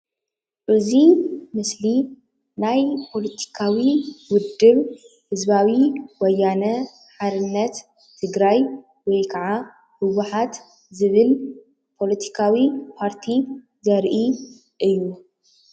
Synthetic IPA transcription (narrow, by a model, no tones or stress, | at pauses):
ʔɨzimɨsli | najpʰo̞lɐt̪ʰi̥kʰawiwʊd̪ːɨβ | hɨzbawiwɔjːanɐ | ħaɾɨnːɐt̪ʰː | ɨɡɾaj | wɔjkʰɐʕa | hɨwuħat̪ | zɨβɨl | pʰo̞lɐt̪ʰi̥kʰawipʰaɾt̪ʰi | zɐɾʔi | ʔɨjːu